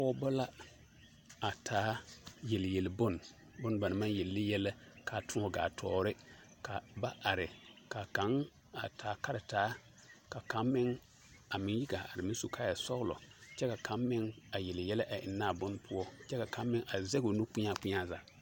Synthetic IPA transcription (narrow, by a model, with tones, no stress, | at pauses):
ɔ˦bɔ˦la˦ | a˨tʰaː˨˦jɛ˨ljɛ˨lbʊ˦˨n | bʊ˦n˦ba˨nɪ˨ma˦njɛ˨lːɪ˦jɛ˦lɛ˦kʰa˨tʊ˦ɔ˨ɡa̰ː˨tʰɔː˨ɾɪ˦ | ka˨ba˦ʔa˨ɾɪ˨ka˨ka˨˦ŋ | a˨tʰaː˨˦ka˦ɾɪ˨taː˨˦ | ka˨ka˨˦mːɪ˦ŋ | a˨mɪ˨ŋji˦ɡaː˨ʔa˨ɾɪ˨mɪ̃˦n˦so˨kʰaː˦ja˨sɔ˦wʊ˦lɔ̰˨t͡ʃɛ˦ka˨kʰa˨˦mː˦ɪ˦ŋa˨jɛ˨lɪ˨jɛ˦lɛ˦ʔa˨ʔɪ̰˨nːaː˦˨bʊ˦n˦pʰʊ˦ɔ˦t͡ʃɛ˦ka˨ka˨˦mː˦ɪ˦ŋʔa˨zɛ˦ɡo˨nu˦k͡pʊ˦ɲa˦˨k͡pʊ˦ɲa˦za˨